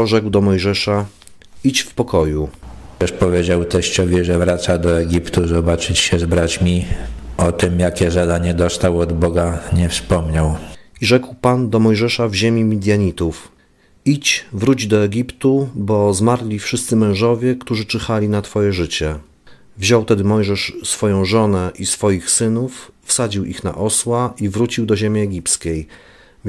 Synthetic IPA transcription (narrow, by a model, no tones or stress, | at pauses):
ʐɛɡwd̪ɔmɔjʐɛʂa | it͡ɕfpɔkɔjut̪ɛʂpɔvʲjed͡ʑawt̪ɛɕt͡ɕɔvʲiʐɛvɾat̪sad̪ɔɛɡʲipt̪uzɔbat͡ʂɘt͡ɕɕɛzbɾat͡ɕmʲiɔt̪ɘmjakʲɛzad̪aɲɛd̪ɔst̪awɔd̪bɔɡaɲɛfspɔmɲawiʐɛkwpand̪ɔmɔjʐɛʂavʑemʲimʲid̪ʲjaɲit̪uf | it͡ɕvɾud͡ʑd̪ɔɛɡʲipt̪ubɔzmaɾlʲifʂɘst̪sɘmɛ̃w̃ʐɔvʲjɛkt̪uʐɘt͡ʂɘxalʲinat̪fɔjɛʐɘt͡ɕɛ | vʑɔwt̪ɛd̪ɘmɔjʐɛʂsfɔjɔ̃w̃ʐɔnɛʔisfɔjixsɘnufːsad͡ʑiwʔixna̰ʔɔswaʔivɾut͡ɕiwd̪ɔʑemʲiɛɡʲipskʲej